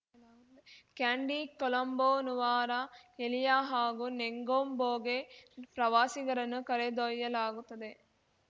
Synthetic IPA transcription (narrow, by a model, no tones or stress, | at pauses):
lːukæːɳɖiːkolɐmboːnuʋaːɾaːkelijaːɦaːɡuneŋɡoːmboːɡepɾɐʋaːsiɡɐɾɐnukɐɾed̪ojːɐlaːɡut̪ɐd̪e